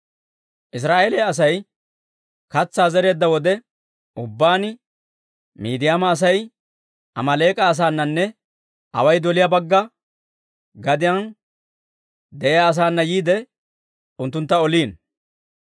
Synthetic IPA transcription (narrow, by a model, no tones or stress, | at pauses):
ʔɪs̬ɾaːʔeːleɐs̬ɐj | kɐt͡sːaːzɛɾe̞ːd̪ːɐwɔd̪ɛ | ʊbːaːnɪ | mḭːd̪ɪjaːmɐːs̬ɐj | ʔɐ̰mɐle̞ːkʼɐːs̬aːnːɐnːɛ | ɐ̰wɐjd̪ɔlɪjɐbɐɡːɐ | ɡɐd̪ɪjɐn | d̪ɛjjaːs̬aːnːɐjiːd̪ɛ | ʊnt̪ːʊnt̪ːɐɔliːn